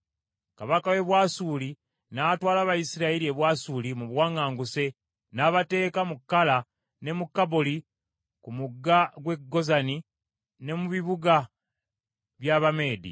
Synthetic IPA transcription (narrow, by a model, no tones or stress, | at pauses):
kaβakawe̞βwaːsuːli | natwaːlaβajisiɾaelie̞βwaːsulimuβwaːŋaːŋɡuse̞ | naːβate̞ːkamukːala | ne̞mukːaboli | kumuɡːaɡwe̞ɡːo̞zani | ne̞muβiβuɡa | βjaβame̞ːdḭ